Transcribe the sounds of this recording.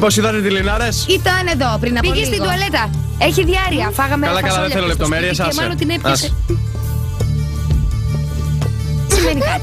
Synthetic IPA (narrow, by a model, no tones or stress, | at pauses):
posiðɐt̪et̪ilinɐɾesit̪ɐne̞ðo̞pɾinɐppɣest̪iðuɐle̞t̪ɐ | eçiðiɐɾiɐfɐɣɐmeɐlɐkɐlɐðeθelolep̚t̪omeɾiesɐɐlot̪inepɐs | simenikɐ